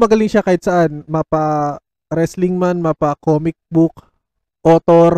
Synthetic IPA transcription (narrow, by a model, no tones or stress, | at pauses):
mɐɡɐlɪŋʃakajɪt̪̚sɐʔanmɐpɐ | ɾɛsliŋmanmɐpɐkomɪk̚buk | ʔoːt̪oɾ